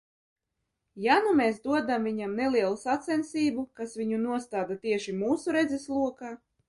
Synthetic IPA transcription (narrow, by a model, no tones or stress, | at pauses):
janumeːsd̪uɔd̪amvʲiɲamnelˠiɛlˠusat̪sɛnsiːbukasvʲiɲunuɔst̪aːd̪at̪iɛʃimuːsuɾed̪zeslˠuɔkaː